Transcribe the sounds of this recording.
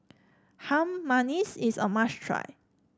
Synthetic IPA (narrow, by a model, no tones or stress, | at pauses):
hãmːanisisə̰maʃtʰɹa̰j